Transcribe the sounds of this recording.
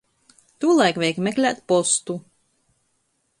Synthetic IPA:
t̪uɔlˠajkvʲɛjkmɛklʲæːt̪pɔst̪u

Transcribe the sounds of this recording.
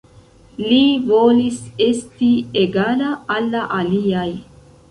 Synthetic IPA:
livoːlisest̪ieɡaːlaːlːaʔalijaj

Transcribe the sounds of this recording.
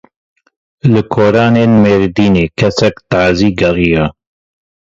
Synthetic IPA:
lɨkʰoːɾɑːneːnmeːɾd̪iːneːkʰɛsɛkt̪aːziːɡɛlija

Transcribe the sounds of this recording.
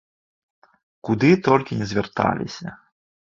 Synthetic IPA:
kud̪ɨt̪ɔlʲkʲinʲɛzʲvʲɛrt̪a̰lʲḭsʲɐ

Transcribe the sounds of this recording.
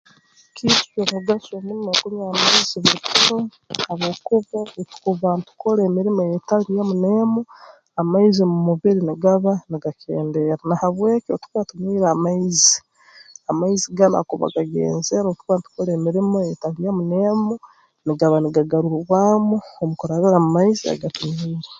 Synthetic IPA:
kʰiti̥t͡ʃomuɡasomunimokumaːmaiziβuɾikuno | aβoːkuβaetu̥kuβantu̥koɾeːmiɾimojetalijamuneːmu | amaizimumuβiɾiniɡaβaniɡakʰḛːnde̞ɾanahaβwe̞ːkotu̥katumiːɾamaizi | amaiziɡana̰kuβa̰ɡaɡḛːnzeaɾoːkuβanitu̥kolemiɾimojetaβijamunemu | niɡaβaniɡaɡaɾuɾuβwamuomukuɾaβiɾamumaizia̰ɡatumiːɾa

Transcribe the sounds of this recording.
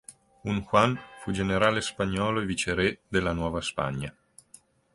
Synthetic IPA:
unxwanfud͡ʒeneɾaːlespaɲːɔːloevit͡ʃeɾɛd̪elːanwɔːvaspa̰ɲːa

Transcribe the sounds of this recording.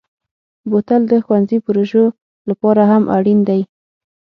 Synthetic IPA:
bot̪ald̪əxwanzipəɾoʒo | lapɑɾaɦamʔaɽind̪aj

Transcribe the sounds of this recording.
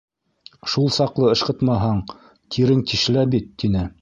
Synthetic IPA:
ʃulˠsɑqlˠɤɤ̆ʃqɤ̆t̪mɑɦɑɴ | t̪ʰiɾɘŋt̪iʃlæbit̪ːinɘ

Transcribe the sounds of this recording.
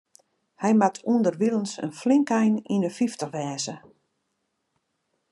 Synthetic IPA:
hɛjmatʰundərʋilˠənsə̰nflɪŋkɛjninəfiftəxʋɛːzə

